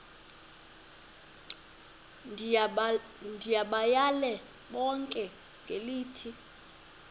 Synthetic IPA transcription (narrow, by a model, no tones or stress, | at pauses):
ndʱijaɓajalɛ | ɓɔŋkʼɛ | ŋɡʱeliːtʰi